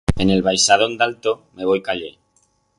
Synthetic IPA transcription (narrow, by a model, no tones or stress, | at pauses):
e̞ne̞lβajsaðo̞nd̪alt̪ome̞β̞o̞jkaʎḛ